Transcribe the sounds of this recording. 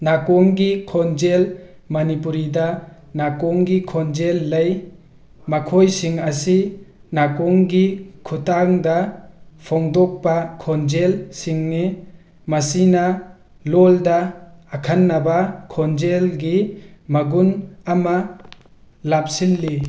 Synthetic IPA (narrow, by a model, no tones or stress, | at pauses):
nakɔŋɡikʰɔnd͡ʒel | mɐnipuɾidɐ | nakɔŋɡikʰɔnd͡ʒelːɐj | makʰojsiŋasinakɔŋɡikʰutaŋdɐpʰɔŋdɔk̚pakʰɔnd͡ʒelsiŋni | mɐsina | lɔldɐːkʰanːabakʰɔnd͡ʒelɡimɐɡunama | lap̚sinli